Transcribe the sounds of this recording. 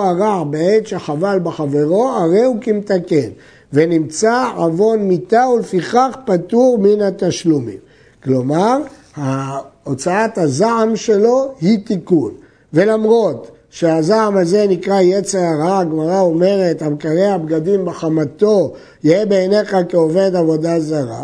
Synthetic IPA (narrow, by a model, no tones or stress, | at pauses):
aʁaʕbeeʃaχavalbeχave̞ʁo̞aʁe̞jukimt̪aken | ve̞nimt͡saʕavo̞nmit̪aulefiχaχpat̪uʁminat̪aʃlumim | klo̞maʁ | haot͡saathazaʕamʃe̞lo̞hit̪ikun | ve̞lamʁo̞t | ʃeazaʕamaze̞nikʁajet͡seʁaʁaɡmaʁao̞me̞ʁet̪hamkaʁeabɡad̪imbeχamat̪o̞ | jiebeːne̞χakeoved̪avo̞d̪azaʁa̰